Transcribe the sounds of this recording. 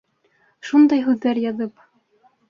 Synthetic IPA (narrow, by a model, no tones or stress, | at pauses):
ʃund̪ɑjɦʉðːæɾjɑðɤp